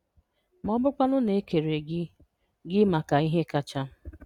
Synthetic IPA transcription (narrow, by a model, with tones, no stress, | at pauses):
mɔ˦bʊ˦kʷa˦nʊ˦ne˨˦ke˨ɾe˨ɡɪ˦ | ɡɪ˦ma˨ka˨i˦ɦe˦ka˦t͡ʃa˦